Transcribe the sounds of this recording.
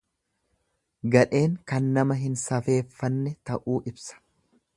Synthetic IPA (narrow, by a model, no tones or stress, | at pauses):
ɡɐᶑe̞ːŋkɐnːɐmɐɦɪnsɐfe̞ːfːɐnːɛt̪ɐʔuːʔɪbsɐ̥